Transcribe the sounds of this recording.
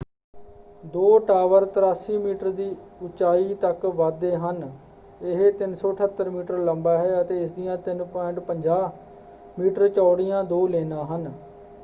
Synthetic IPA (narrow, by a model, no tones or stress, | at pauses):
d̪oːʈaːʋəɾt̪ɾaːsiːmiːʈəɾd̪iːʊt͡ʃaːiːt̪əkʋaːd̪eːɦən | ɪɦt̪ɪnsɔːʈʰət̪ːəɾmiːʈəɾləmbaːɦɛːət̪eːɪsd̪ɪjãːt̪ɪnpɔ̃ɪɳʈpəɲd͡ʒaː | miːʈəɾt͡ʃɔːɽɪjãːd̪oːleːnãːɦən